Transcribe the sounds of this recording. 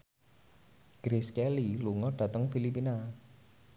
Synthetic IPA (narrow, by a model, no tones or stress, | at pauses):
ɡ̥ɾeskɛliluŋɔɖ̥ä̤t̪əŋfilipina